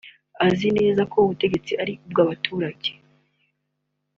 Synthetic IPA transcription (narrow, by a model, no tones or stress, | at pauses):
azine̞ːzakʰo̞uβute̞ɟe̞t͡siʔaɾiub̚ɡaβatʰuːɾaɟe